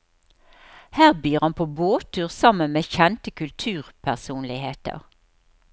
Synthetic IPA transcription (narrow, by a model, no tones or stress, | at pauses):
hæːʁbyːʁɑnpʰoːboːt̪ʰʉːʁsɑmənmeːçɛnt̪əkʰʉlt̪ʰʉːʁpʰæʁsuːnlɪheːt̪ə̰ʁ